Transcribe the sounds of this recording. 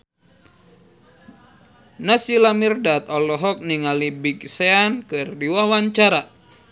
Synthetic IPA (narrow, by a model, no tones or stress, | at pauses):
nasilamirdat̪ɔlɔɦɔk̚niŋalibikseankɨrdiwawaɲt͡ʃaɾa